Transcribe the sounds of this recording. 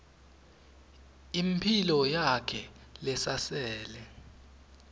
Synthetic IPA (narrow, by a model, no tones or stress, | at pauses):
impʰilɔjakʰɛlɛsasɛːlɛ